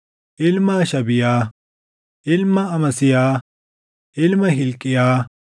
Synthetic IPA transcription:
ʔɪlmaːʃɐbɪjaː | ʔɪlmɐɐmɐsɪjaː | ʔɪlmɐɦɪlkʼːɪjaː

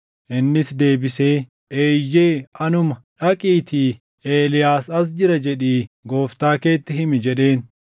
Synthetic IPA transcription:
ʔɪnːɪsd̪e̞ːbɪse̞ː | ʔeːjːe̞ːɐnʊmɐᶑɐkʼiːt̪iː | ʔeːlɪjaːsɐs̬d͡ʒɪɾɐd͡ʒɛᶑiːɡo̞ːft̪aːke̞ːt̪ːɪɦɪmɪd͡ʒɛᶑe̞ːn

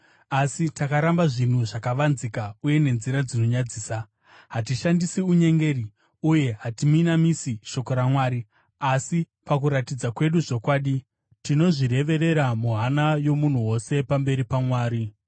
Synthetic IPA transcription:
asitakaɾambaʐin̤uʐakaʋanzikauje̞ne̞nziɾad͡zino̞ɲad͡ziːsa | ɦat̬iʃandisiuɲe̞ŋɡe̞ɾi | uje̞ɦatiminamisiʃo̞ko̞ɾamwaːɾi | asi | pakuɾatid͡zakwe̞ɗuʐo̞kwaːɗi | tino̞ʐiɾe̞ʋe̞ɾe̞ɾamuɦanajo̞mun̤uwo̞se̞pambe̞ɾipamwaːɾi

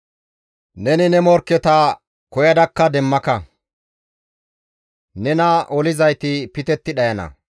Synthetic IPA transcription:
nɛnɪnɛmɔɾkːɛt̪ɐ | kɔjɐd̪ɐkːɐd̪ɛmːɐkɐ | nɛnɐɔlɪzɐjt̪ɪpɪt̪ɛt̪ːɪɗɐjɐnɐ̰

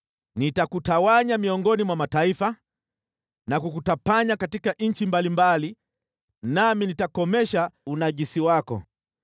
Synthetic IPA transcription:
nitakutawaɲamiɔŋɡɔnimwamataifa | nakukutapaɲakatikaɲ̩t͡ʃimbalimbali | naminitakɔmɛʃaunaʄisiwakɔ̰

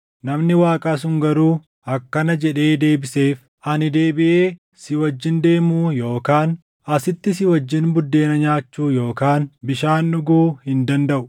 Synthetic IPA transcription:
nɐmnɪwaːkʼaːs̬ʊŋɡɐɾuː | ʔɐkːɐnɐd͡ʒɛᶑe̞ːd̪e̞ːbɪseːf | ʔɐnɪd̪e̞ːbɪʔeː | sɪwɐd͡ʒːɪnd̪e̞ːmuːjo̞ːkaːn | ɐsɪt̪ːɪs̬ɪwɐd͡ʒːɪnbʊd̪ːe̞ːnɐɲaːt͡ʃːuːjo̞ːkaːnbɪʃaːnːʊɡuːhɪnd̪ɐnd̪ɐʔʊ

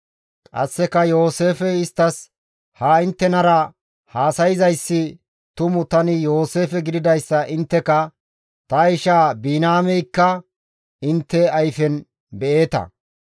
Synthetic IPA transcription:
kʼɐ̰sːɛkɐjo̞ːseːfɛɪst̪ːɐs | haɪnt̪ːɛnɐɾɐ | haːsɐjɪzɐjsːɪ | t̪ʊmʊt̪ɐnɪjo̞ːse̞ːfɛɡɪd̪ɪd̪ɐjsːɐʔɪnt̪ːɛkɐ | t̪ɐjɪʃaːbiːnaːmɛjkːɐ | ɪnt̪ːɛɐjfɛn | bɛe̞ːt̪ɐ̰

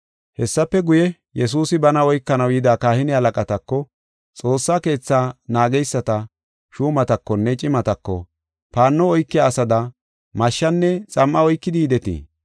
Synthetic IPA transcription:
hɛsːɐpːɛɡʊjɛ | jɛs̬uːsɪbɐnɐɔjkːɐnɐwjɪd̪aːkaːhɪnɪhɐlɐkʼɐt̪ɐkːɔ | t͡sʼo̞ːsːaːke̞ːt͡sːaːnaːɡɛjsːɐt̪ɐ | ʃuːmɐt̪ɐkːɔnːɛt͡ʃʼɪmɐt̪ɐkːɔ | paːnːɔɔjkːɪjaːsɐd̪ɐ | mɐʃːɐnːɛt͡sʼɐmʔːɐɔjkːɪd̪iːd̪ɛt̪ḭː

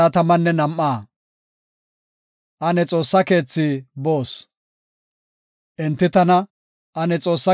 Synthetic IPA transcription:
at̪ɐmɐnːɛnɐmːaː | ʔɐnɛt͡sʼo̞ːsːɐke̞ːt͡sːɪbo̞ːs | ʔɛnt̪ːɪt̪ɐnɐ | ʔɐnɛt͡sʼo̞ːsːɐ

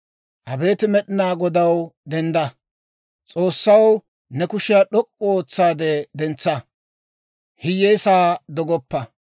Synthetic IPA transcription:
ʔɐbe̞ːt̪ɪmɛɗɪnaːɡɔd̪ɐwd̪ɛnd̪ɐ | t͡sʼo̞ːsːɐw | nɛkʊʃɪjaɗɔkʼːɔoːt͡sːaːd̪ɛd̪ɛnt͡sːɐ | hɪjːeːsaːd̪ɔɡɔpːɐ

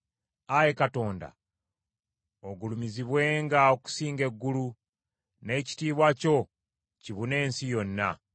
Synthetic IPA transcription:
aje̞kato̞ːnda̰ | oɡulumiziβwe̞ːŋɡaoku̥siːŋɡe̞ɡːulu | ne̞ːci̥tiːβwaco̞ | ciβune̞ːnsijo̞nːa̰

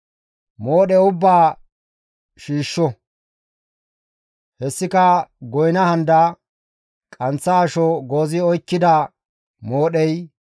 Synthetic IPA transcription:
mo̞ːɗɛʊbːaː | ʃiːʃːɔ | hɛsːɪkɐɡɔjnɐhɐnd̪ɐ | kʼɐnt͡sːɐːʃɔɡo̞ːzɪɔjkːɪd̪ɐ | moːɗɛj

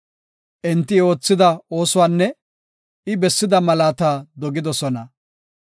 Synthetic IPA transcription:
ʔɪnt̪ːɪo̞ːt͡sːɪd̪ɐoːsʊwaːnːɛ | ɪbɛsːɪd̪ɐmɐlaːt̪aːd̪ɔɡɪd̪ɔsɔnɐ

